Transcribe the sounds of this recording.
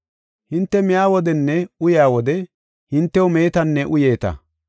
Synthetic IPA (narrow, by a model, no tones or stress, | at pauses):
hɪnt̪ːɛmɪjaːwɔd̪ɛnːɛʊjaːwɔd̪ɛ | hɪnt̪ːɛwʊme̞ːt̪ɐnːɛʔʊjeːt̪ɐ̰